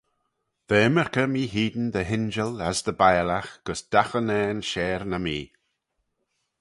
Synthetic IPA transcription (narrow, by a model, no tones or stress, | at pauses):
ð̥eːməɹkəmiːɦiːd̪ən̩d̪əɦɪnd͡ʒələsd̪əbajlaxɡ̥əsd̪̥axənɛːnʃɛːɾnəmiː